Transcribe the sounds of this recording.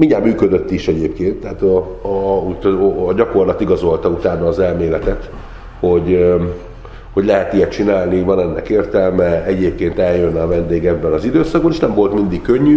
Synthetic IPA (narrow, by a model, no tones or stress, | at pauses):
miɲaːmyːkød̪øt̪ːiʃɛɟeːpkeːnt̪ːɛaːt̪ | ut̪ːɟɒko̞rlɒt̪iɡɒzo̞lt̪ɒut̪aːnɒːzɛlmeːlɛt̪ɛt̪ | ho̞ɟ | ho̞ɟlɛɦɛt̪ijɛt͡ʃinaːlnivɒnɛnːɛkeːrt̪ɛlmɛɛɟeːp̚keːnt̪ɛljønːɛɒvɛnd̪eːɡɛbːɛnɒzid̪øːsɒɡ̚bɒleːʃnɛmvo̞lt̪mind̪ikkːøɲːy